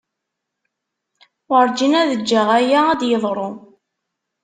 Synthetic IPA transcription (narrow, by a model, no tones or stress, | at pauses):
əɾˤd͡ʒinæðəd͡ʒːaʁæjææd̪jəðˤɾˤo